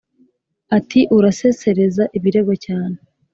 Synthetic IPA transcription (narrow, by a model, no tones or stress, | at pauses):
atiʔuɾase̞se̞ɾe̞zaʔiβiɾe̞ɡocaːne